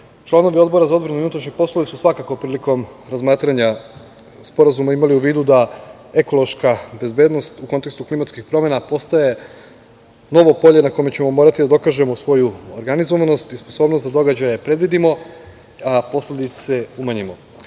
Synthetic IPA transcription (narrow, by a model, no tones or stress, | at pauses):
t͡ʃlˠano̞ʋio̞d̪bo̞ɾazao̞d̪bɾanujunat̪ɾaʃɲepo̞slˠoʋisusʋakako̞pɾiːliko̞mɾazmaːt̪ɾaɲa | spo̞ɾazumaimaliuʋiːd̪ud̪a | e̞ko̞lo̞ʃkabe̞zbe̞d̪no̞st̪uko̞nt̪ekst̪uklimat̪skixpɾo̞mjenapo̞st̪aje̞ | no̞ʋo̞po̞ʎenakojmet͡ɕe̞mo̞mo̞ːɾat̪id̪ad̪o̞kaʒe̞mo̞sʋo̞juoɾɡanizo̞ʋano̞st̪isposo̞ːbnost̪ad̪o̞ɡad͡ʑajepɾe̞d̪ʋid̪imo̞ | apo̞slʲe̞d̪it̪seumaɲimo̞